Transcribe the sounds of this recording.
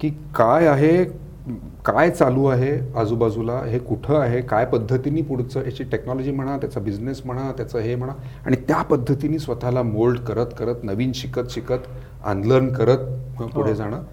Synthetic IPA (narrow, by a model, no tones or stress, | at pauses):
kiː | kajaɦe | kajt͡saluːaɦead͡zuːbad͡zulaɦekuʈʰəːaɦekajpəd̪ʱːət̪iniːpuɽ̤t͡səjat͡ɕiːʈeknɔlɔd͡ʑiːm̤əɽ̃at̪jat͡sabid͡znesm̤əɽ̃at̪jat͡səːɦem̤əɽ̃aa̰ɽ̃it̪japəd̪ʱːət̪iniːsʋət̪ʰalamolɖkəɾət̪kəɾət̪nəʋiːnɕikət̪ɕikət̪ | a̰nɖlənkəɾət̪̚puɽ̤ed͡zaɽ̃əː